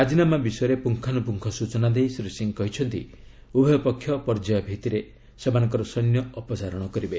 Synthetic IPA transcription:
ɾad͡ʒinamabisɔjɔɾepuŋkʰanupuŋkʰɔsut͡ʃɔnad̪ejsɾisiŋkɔɦit͡ʃʰɔnt̪ḭ | ubʱɔjɔpɔkʰːjɔpɔɾd͡ʒajɔbʱit̪iɾe | semanɔŋkɔɾɔsɔjnjɔɔpɔsaɾɔɽ̃ɔkɔɾibe

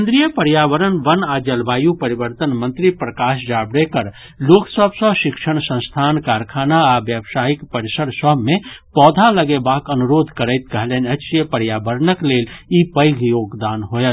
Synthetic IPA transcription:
nd̪ɾijəpəɾjaːʋəɾənʋənad͡ʒəlbaːjupəɾibəɾt̪ənmənt̪ɾipɾəkaːʃd͡ʒabɾekəɾ | loksəbʱsə̃ʃikʃəɽ̃sə̃st̪ʰaːnkaɾkʰaːnaabjəbsaːikpəɾisəɾsəmẽpɔːd̪ʱaləɡebakənuɾoːd̪ʱkəɾəɪt̪kəɦlɛnəʃijəpəɾjabəɾənəklelipəjɡʱjoːɡd̪aːnɦojət̪

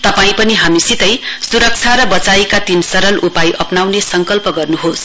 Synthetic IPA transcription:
t̪ʌpaĩpʌniɦamisit̪ʌjsuɾʌk̚t͡sʰaɾʌbʌt͡saikat̪insʌɾʌlʔupajʔʌpnawnesʌŋkʌlpʌɡʌrnuɦos

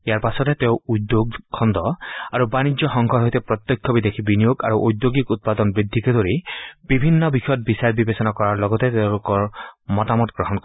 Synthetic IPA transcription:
ejaɾpasɔt̪et̪eʊud̪joɡkʰɔnd̪ɔaɾubanid͡ʒɔxɔŋɡʱɔɾɦojt̪epɾɔt̪jɔkʰjɔbid̪ekʰibinijoɡa̰ɾuʔojd̪joɡikut̪̚pad̪ɔnbɾid̪ʱikɔd̪ɔɾib̥ibʱinːɔbixɔjɔt̪̚bisaɾbibesɔnakɔɾaɾlɔɡɔt̪et̪ewlukɔɹmɔtamɔtɡɾɔɦɔnkɔ

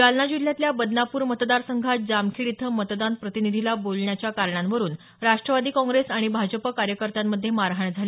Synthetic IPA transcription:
ɡalnad͡ʑilːjat̪ljabəd̪napuːɾmət̪d̪aɾsəŋɡʱat̪̚d͡zamkʰiɽit̪ʰəmət̪d̪anpɾət̪inid̪ʱilabolɳjat͡ɕjakaɾɳanʋəɾuːn | ɾaʂʈɾəʋad̪iːkɔ̃ŋɡɾesaɽ̃ibʱad͡ʑəpəkaɾjəkəɾt̪amːəd̪ʱːjemaɾɦəɳd͡zʱali

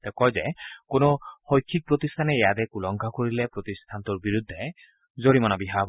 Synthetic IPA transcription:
t̪ɛkɔjzɛkonoxojkʰːik̚pɹot̪istʰanɛːjat̬ɛkulɔŋɡʱakoɹilɛpɹot̪istʰant̪ʊɹbiɹud̪ʱːɛ | zoɹimɔnabiɦab

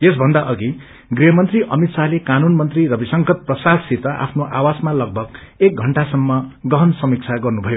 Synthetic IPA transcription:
jes̬bʱʌnd̪aʔʌɡi | ɡriɦʌmʌnt̪riʔʌmit̪salekanunmʌnt̪riɾʌbʱisʌŋkʌt̪̚prʌsasit̪ʌʔa̰pʰnoʔawasmalʌɡ̚bʱʌɡ | ek̚ɡʱʌɳʈasʌmːʌɡʌɦʌnsʌmik̚t͡sʰaɡʌrnubʱʌjo

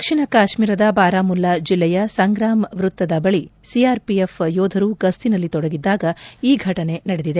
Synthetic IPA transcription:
kʂiɳɐkaːʃmiːɾɐd̪ɐbaːɾaːmulːɐd͡ʒilːɛjɐsɐŋɡɾaːmʋɾut̪ːɐd̪ɐbɐɭisiaːɾpiefjɔːd̪ʱɐɾuɡɐst̪inɐlːit̪ɔɽɐɡid̪ːaːɡɐiːɡʱɐʈɐne̞nɐɽed̪id̪e

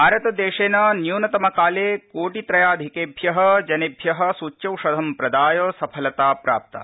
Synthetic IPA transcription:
aːɾɐt̪ɐd̪eːʃeːnɐnjuːnɐt̪ɐmɐkaːleːkoːʈit̪ɾɐjaːd̪ʱikeːbʱjɐɦɐd͡ʒɐneːbʱjɐɦɐ̆suːt͡ʃːjɐwʂɐd̪ʱɐmpɾɐd̪aːjɐːsɐpʰɐlɐt̪aːpɾa̰ːp̚t̪ɐ̰

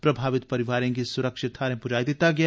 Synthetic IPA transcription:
pɾɐbʱaːʋɪt̪pɐɾɪʋaːɾẽk̬isʊɾəkʃɪt̪ʰaɾẽpʊd͡ʒaːjd̪et̪aɡɐja

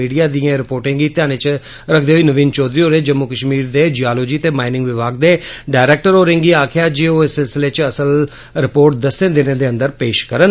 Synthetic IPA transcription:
iːɖijaːd̪ijãːɾɪpoːɾʈẽːŋɡiːt̪ɪjaːñeːt͡ʃ | ɾəkʰd̪eːɦoiːnəʋiːnt͡ʃɔːd̪ɾiːoːɾeːd͡ʒəmːukəʃmiːɾd̪eːd͡ʒiaːloːd͡ʒiːt̪eːmaːɪnɪ̃ŋɡʋɪʋaːɡ̚d̪eːɖaːɪɾɛːk̚ʈəɾoːɾẽːŋɡiːaːkʰɪjaːd͡ʒeːoːsɪlsɪleːt͡ʃəsəl | ɾɪpoːɾʈ̚d̪əsːẽːd̪eːnẽːd̪eːə̃nd̪əɾpeːʃkəɾən

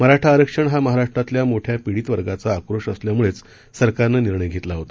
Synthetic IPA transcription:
məɦaɾaʂʈʰaːɾəkʂəɳɦaməɦaɾaʂʈɾat̪ljamoʈʰjapiɽiːt̪ʋəɾɡat͡saːkɾoʂəsljamuɭet͡s | səɾkaɾnəniɾɳəjɡʱet̪laɦot̪a

